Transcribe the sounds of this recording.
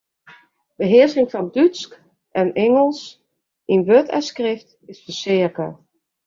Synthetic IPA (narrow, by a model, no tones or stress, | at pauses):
b̥əɦɪːəɹsɪŋfɑndytsk | ʔɛnɛŋəlˠs | ʔɪnʋøtɛ̰skrɪft | ɪsfəɹsɪəɹkət